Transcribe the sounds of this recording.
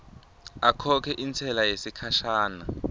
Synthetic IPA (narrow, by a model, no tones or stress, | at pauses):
akʰɔkʰɛʔint͡sʰɛlajesikʰaʃaːna